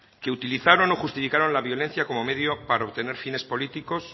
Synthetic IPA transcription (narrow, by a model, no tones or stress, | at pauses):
ke̞ut̪iliθaɾo̞no̞xust̪ifikaɾo̞nlaβjo̞le̞n̟θjako̞mo̞me̞ðjo̞paɾaoβt̪e̞ne̞ɾfine̞spo̞lit̪iko̞s